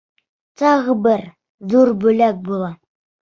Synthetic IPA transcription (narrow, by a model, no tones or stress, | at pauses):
t̪ɑʁbɘɾ | ðuɾbɵ̆læk̚bulˠɑ